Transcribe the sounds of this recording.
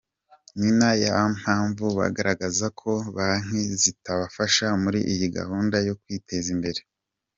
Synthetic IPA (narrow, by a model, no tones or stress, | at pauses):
ninajaβam̥haːɱvuβa̰ɡaɾaɡazakʰo̞βaŋ̥ezitaβafaʃamuɾiʔijiɡa̰huːndajo̞kwiːtʰe̞zimbe̞ɾe